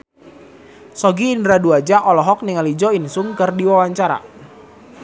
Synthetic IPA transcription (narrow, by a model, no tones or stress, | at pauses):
sɔɡiːndɾaduad͡ʒaʔɔlɔɦɔk̚niŋalid͡ʒɔinsʊŋkɨrdiwawaɲt͡ʃaɾa̰